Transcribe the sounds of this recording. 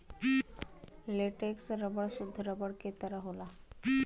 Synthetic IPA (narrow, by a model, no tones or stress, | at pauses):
leʈeksɾəbəɭsud̪ʱːəɾəbəɽket̪əɾaɦola